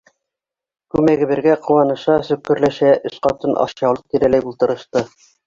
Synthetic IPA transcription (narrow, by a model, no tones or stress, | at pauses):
kʉmæɡɘ̆βɘ̆ɾɡæqʰŭwɑnɤ̆ʃɑsɵ̆kːɵ̆ɾlæʃæʔɵ̆sqɑt̪ɤnʔɑ̰ʃjɑwlˠɤq̚t̪iɾælæjbulˠt̪ɤ̆ɾɤ̆ʃt̪ɤ